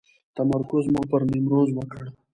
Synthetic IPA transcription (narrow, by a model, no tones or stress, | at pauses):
t̪amaɾkʊzmɑpəɾmimɾozwəkəɽ